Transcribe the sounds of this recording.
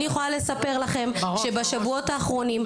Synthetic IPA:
nijeχolale̞sape̞ʁlaχe̞mʃebaʃavuo̞taːχʁo̞nim

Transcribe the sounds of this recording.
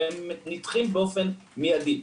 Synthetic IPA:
emnit̪χimbeofenmijad̪i

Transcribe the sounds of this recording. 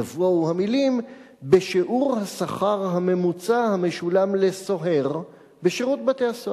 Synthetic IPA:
avuoauhamilim | beʃeʔuʁhasaχaʁɦame̞mut͡sahame̞ʃulamle̞so̞ɦe̞ʁ | beʃeʁut̚bate̞haso

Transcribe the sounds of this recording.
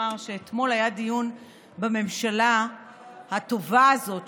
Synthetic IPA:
aʁʃe̞ːt̪mo̞lajadijun | beme̞mʃala | hat̪o̞vaːzo̞t

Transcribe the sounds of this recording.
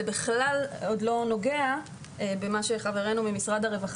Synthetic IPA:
ebiχlalod̪lo̞no̞ɡe̞a | ebemaʃeχaveʁe̞numimisʁad̪haʁe̞vaχ

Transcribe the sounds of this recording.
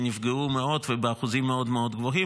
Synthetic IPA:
nifɡeumeo̞dvebeaχuzimːeod̪meo̞d̪ɡvoɦi

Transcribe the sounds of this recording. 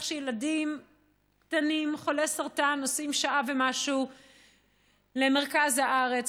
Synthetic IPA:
χʃejeladim | kt̪animχo̞lesaʁtanosimʃaʔave̞maʃu | le̞me̞ʁ̞kazhaʔaʁet͡s

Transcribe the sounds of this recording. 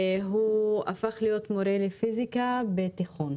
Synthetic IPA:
ɦua̰faχlijo̞t̪moɾelefizikabet̪iχon

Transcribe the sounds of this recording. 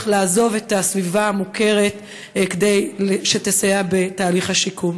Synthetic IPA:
χlaːzo̞ve̞tasvivaamuke̞ʁe̞t | kde̞jlʃet̪esajabe̞taːliχhaʃikum

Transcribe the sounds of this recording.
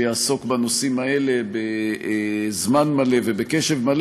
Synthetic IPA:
jaːso̞kbanosimae̞le̞be | zmanmale̞vebekeʃevmal

